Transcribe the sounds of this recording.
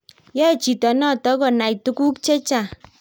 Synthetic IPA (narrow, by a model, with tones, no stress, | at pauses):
jɔ˦˨t͡ʃi˨tɔ˨nɔ˦˨tɔ˨˦ɡɔ˨na˨i˨tu˦ku˦kt͡ʃe˦t͡ʃa˦˨